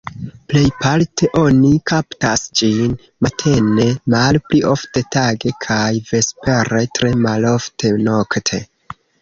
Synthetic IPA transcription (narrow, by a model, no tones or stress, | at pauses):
ple̞jpaltʰe̞ʔo̞nikʰaptasd͡ʒin | matʰe̞ne̞malpliʔo̞fte̞taɡe̞kʰajve̞spe̞ɾetɾe̞malo̞ftʰe̞no̞ktʰe̞̰